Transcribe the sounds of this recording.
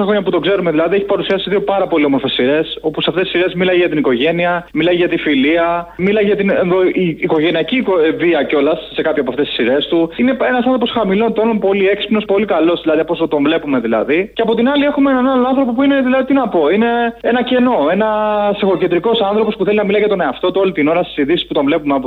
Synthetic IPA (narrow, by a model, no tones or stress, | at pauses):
sɐxɾoɲɐput̪o̞ɡze̞ɾume̞ðilɐðieçi̥pɐɾusiɐsiiðio̞pɐɾɐpo̞liomoɾfe̞sːiɾe̞so̞pusɐft̪est̪isiɾezmilɐjʝɐt̪iniko̞ʝe̞niɐmilɐjʝɐt̪ifiliɐmilɐjʝɐt̪ine̞nðo̞ʔiːko̞ʝe̞niɐcikoviɐcolɐsːe̞kɐpçoɐpoɐft̪esi̥siɾe̞st̪uine̞enɐsɐmnop̬osxɐmilont̪ononpo̞lie̞kspno̞spo̞likɐlo̞zðilɐðiɐposot̪o̞ɱvle̞pume̞ðilɐ̰ðiceɐpo̞t̪inɐlie̞xumeenɐnɐloɐ̃nθɾo̞po̞p̬uineðilɐðit̪inɐpo̞ine̞enɐce̞no̞e̞nɐsexocet̪ɾiko̞sɐnθɾo̞po̞spuθelinɐmilɐiʝɐt̪o̞ne̞ɐft̪o̞t̪uo̞lit̪ino̞ɾɐst̪isiðisi̥sput̪oɱvle̞pumeɐp